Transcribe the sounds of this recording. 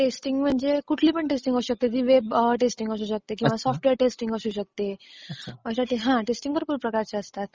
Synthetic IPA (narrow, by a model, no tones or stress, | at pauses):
ʈesʈiŋɡm̤əɳd͡zekuʈʰliːpəɳʈesʈiŋɡəuɕək̚t̪ed̪iʋebʈesʈiŋɡəsuːɕək̚t̪ekĩw̃ʋasɔfʈʋeɾʈesʈiŋɡəsuːɕək̚t̪e | məsaʈiɦãʈesʈĩŋɡkəɾpuɾpɾəkaɾt͡ɕeəst̪at̪̚